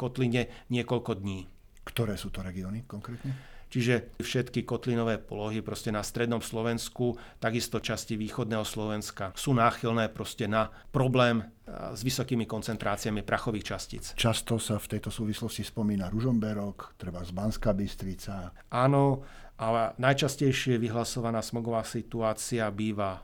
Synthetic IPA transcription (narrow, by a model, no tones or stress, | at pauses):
kɔt̪liɲɛɲɪɛkɔʎkɔd̪ɲiː | kt̪ɔɾɛːsuːt̪ɔɾɛɡiɔnikɔŋkɾɛːt̪ɲɛt͡ʃiʒɛfʃɛt̪kikɔt̪linɔʋɛːpɔlɔɦipɾɔscɛnast̪ɾɛd̪nɔmslɔʋɛnskut̪aɡist̪ɔt͡ʃasciʋiːxɔd̪nɛːɦɔslɔʋɛnskasuːnaːxilnɛːpɾɔscɛna | pɾɔblɛːm | zʋisɔkiːmikɔnt͡sɛnt̪ɾaːt͡sɪamipɾʔaxɔʋiːxt͡ʃascḭːt͡st͡ʃast̪ɔsaft̪ɛjt̪ɔsuːʋislɔscispɔmiːnaɾuʒɔmbɛɾɔkt̪ɾɛbazbanskabist̪ɾit͡sa | ʔaːnɔ | ʔalɛnajt͡ʃascɛjʃɪɛʋiɦlasɔʋanaːsmɔɡɔʋaːsit̪uaːt͡siabiːʋa